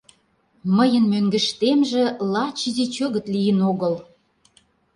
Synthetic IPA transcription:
məjə̆nmøŋɡə̆ʃt̪emʒĕlɑt͡ɕizet͡ɕøɣə̆t̪lijənoɣəl

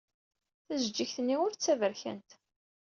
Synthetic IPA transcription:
θæzd͡ʒiçθənːiʊɾt͡sːævəɾçæ̰nt̪

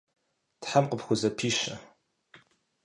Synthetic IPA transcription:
tħamqəpxʷʊzɐpʰiːʃɐ

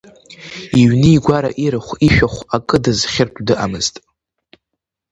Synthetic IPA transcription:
iɥnɨːɡʷaɾa̰ʔiɾɨχʷiʃᶣaχʷakʼɨdɨzχʲɪrtʼdɨʔamɨztʼ

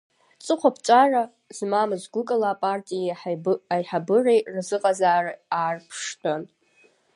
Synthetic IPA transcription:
t͡sʼɨqʷʰapʰt͡ʃʷʼara | zmamɨzɡʷʊkʼalaːpʼartʼijaħajħabɨrejrzɨqʼazaːrɨaːrpʰʂtʰon

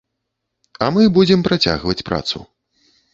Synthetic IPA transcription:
ɐmɨbud͡zʲɛmpɾat͡sʲa̰ɣvɐt͡sʲpɾa̰t̪sṵ

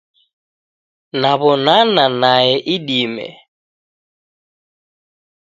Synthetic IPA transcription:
naβɔnananaɛʔiɗimɛ̰

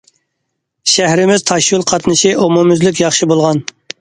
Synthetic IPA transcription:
ʃæhɾɪmɪz̥t̪ʰɑʃjulˠqʰɑt̪ʰnɨʃiʔomumyzlyk̬ʲjɑχʃibolˠʁɑn

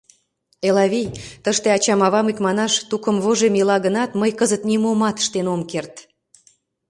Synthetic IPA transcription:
elɑβijt̪əʃt̪eɑt͡ɕɑmɑβɑmikmɑnɑʃt̪ukəmβoʒemjəlɑɣənɑt̪məjkəzət̪nʲimomɑt̪ə̥ʃt̪enomkert̪

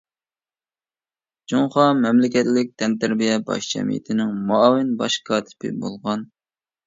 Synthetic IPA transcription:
d͡ʒoŋχɑmɛmlɪkʲɛt̪lɪk̚ʲt̪ʰɛnt̪ʰæɾbijɛbɑ̰ʃd͡ʒʰɛ̰mḭjɪ̰t̪ʰɪnɪŋmɑːwɪnbɑʃkʰɑːt̪ʰɪ̥pʰɪ̰bo̰lˠʁɑn

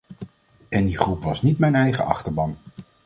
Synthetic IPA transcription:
ɛndiχrupʋɑsnitmɛjnɛjχə̰ɑ̰χtəɹbɑn

